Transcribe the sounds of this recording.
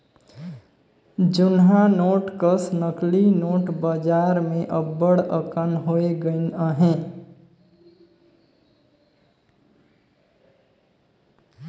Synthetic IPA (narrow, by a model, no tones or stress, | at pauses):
d͡ʒʊnɦanoːʈkəsnəklinoːʈbəd͡ʒaɾmẽʔəbːəɽəkənɦoeɡəɪnəɦẽ